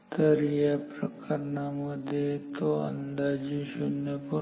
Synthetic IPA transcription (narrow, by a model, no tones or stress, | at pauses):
d̪əɾijapɾəkʰəɾɳaməd̪ʱjet̪oə̰nd̪ad͡ʒiʃʊnjəpu